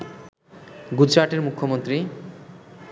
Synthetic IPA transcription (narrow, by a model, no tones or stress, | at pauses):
ɡud͡ʑaʈeɾmukʰːomont̪ɾi